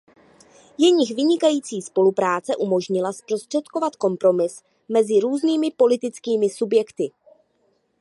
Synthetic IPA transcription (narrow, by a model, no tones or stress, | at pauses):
jɛɲɪxvɪɲɪkajiːt͡siːspo̞lupɾaːt͡sɛʔumo̞ʒɲɪlaspɾo̞st̪r̝̥ɛt̪ko̞vat̪ko̞mpɾo̞mɪs | mɛzɪɾuːzniːmɪpo̞lɪt̪ɪt͡skiːmɪsubjɛkt̪ɪ